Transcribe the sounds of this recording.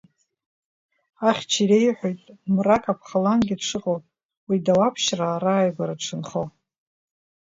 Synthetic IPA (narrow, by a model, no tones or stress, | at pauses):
aχʲt͡ʃʰiɾejħʷᶣojtʼmrakʼapʰχalanɡʲiʈ͡ʂʰɨqʼowpʼ | widawapʰʃraːɾaːjɡʷaɾaʈ͡ʂʰɨnχo